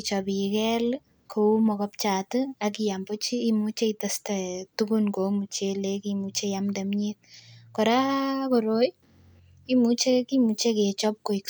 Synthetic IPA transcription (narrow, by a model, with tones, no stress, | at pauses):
t͡ʃɔ˨bikɛ˦l | kʰo˨u˦mɔ˨kɔ˦p̚t͡ʃa˨tɨak̬ijambo˦t͡ʃiː˦mu˦t͡ʃe˦i˨ta˦stɛtukunko˨mu˨t͡ʃe˦lekimu˨t͡ʃe˦jamde˨mɲet̚kɔ˨ɾa˦kɔ˨ɾo˦j | i˦mu˨t͡ʃe˦kimu˨t͡ʃe˦ke˨t͡ʃɔ˦p̚ko˨i˨k